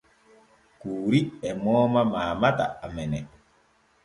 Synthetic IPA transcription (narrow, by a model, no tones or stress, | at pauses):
kuːɾiɛmɔːmamaːmata̰ːmɛnɛ